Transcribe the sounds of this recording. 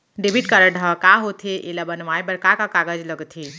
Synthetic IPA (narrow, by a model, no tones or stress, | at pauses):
ɖebiʈ̚kəɾəɖʱakaɦot̪ʰeʔelabənʋajbəɾkakakaɡəd͡ʒləɡt̪ʰi